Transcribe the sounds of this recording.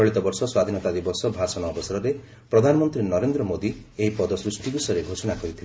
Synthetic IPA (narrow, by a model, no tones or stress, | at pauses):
ɔɭit̪ɔbɔɾsɔswad̪ʱinɔt̪ad̪ibɔsɔbʱasɔnɔːbɔsaɾɔɾe | pɾɔd̪ʱanɔmɔnt̪ɾinɔɾend̪ɾɔmod̪ieɦipɔd̪ɔsɾusʈiɡusɔɾeɡʱosɔnakɔɾit̪ʰil